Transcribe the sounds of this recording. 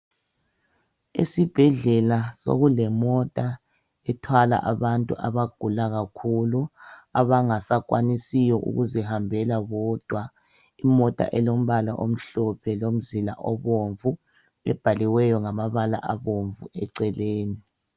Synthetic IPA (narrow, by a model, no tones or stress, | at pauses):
ḛsib̥ʱɛɮɛlaso̰ɣulɛmɔtʼa | ɛtʰwala̰ʔaβantʼṵʔa̰βaɡ̥ʱulaɣakʰuluaβaŋasakʼwanisijɔʔṵɣuzɛhambʱɛlaβɔd̥ʱwa | imɔtʼa̰ʔɛlom̩βalaʔo̰m̩ɬɔpʰɛlom̩zila̰ʔɔ̰βoɱvu | ɛ̰b̥ʱaliwɛjɔŋamaβala̰ʔaβoɱvuɛǀɛleːni